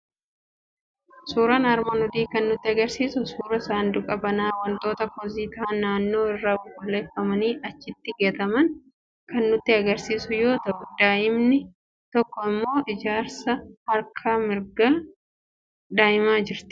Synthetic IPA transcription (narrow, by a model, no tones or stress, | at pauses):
suːɾɐnɐɾmɐnɔd̪iːkɐnːʊt̪ːɪɐɡɐɾsiːsʊsuːɾɐsaːnd̪ʊkʼɐbɐnaːwɐnt̪ʼo̞ːt̪ɐpɔziːt̪aːnaːnːo̞ːɪrːaːʊkʼɔleːfːɐmɐniːʔɐt͡ʃːɪt̪ːɪɡe̞ːt̪ɐmɐn | kɐnːʊt̪ːɪɐɡɐɾsiːsʊjo̞ːt̪ɐʔʊd̪̥aːʔɪmnɪ | t̪ɔkːɔɪmːo̞ːʔɪd͡ʒaːɾsɐhɐɾkʰɐmɪɾɡɐ | d̪aːjɪmaːd͡ʒɪɾt̪ɪ̥